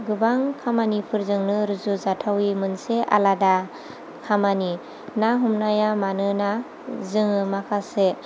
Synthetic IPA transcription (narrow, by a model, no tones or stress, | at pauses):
ɡɯbaŋkʰamanipʰɯɾzɯŋnɯɾɯzuzatʰawimɯnseʔa̰lada | kʰamani | naɦumnajamanɯna | zɯŋɯmakʰase